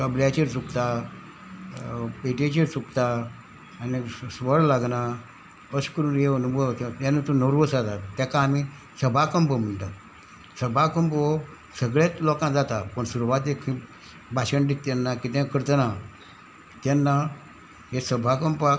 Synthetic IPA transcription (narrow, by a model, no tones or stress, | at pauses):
kəbljat͡ɕeɾt͡sukt̪a | peʈet͡ɕeɾt͡sukt̪aː | nisʋəɽlaɡna | əskəɾuːnɦeənubʱoʋt̪t̪jãnːat̪unəɾʋəsat̪at̪t̪jakaːmi | səbʱakəmpəm̤əɳt̪a | səbʱakəmpo | səɡɭjat͡slɔkãd͡zat̪apəɳsuɾuʋat̪ekʰĩ | bʱaɕəɳʈit̪ːjanːakit̪jãkəɾt̪na | t̪janːa | ɦesəbʱakəmpa